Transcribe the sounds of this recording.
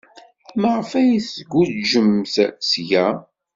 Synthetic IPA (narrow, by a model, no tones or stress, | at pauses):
məʁəfæjiθɡʷːuʒəmːθsjæ